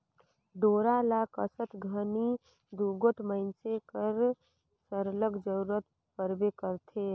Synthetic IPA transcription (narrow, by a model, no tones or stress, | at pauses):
ɖoːɾalaːkə̰sət̪ɡʱəni | d̪uɡoʈʰməɪnsekəɾ | səɾləkd͡ʒəɾuɾət̪ | pəɾbekəɾt̪ʰeː